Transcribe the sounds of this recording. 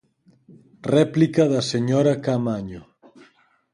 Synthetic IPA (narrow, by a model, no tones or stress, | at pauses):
rɛplikaðɐseɲɔɾakamaɲo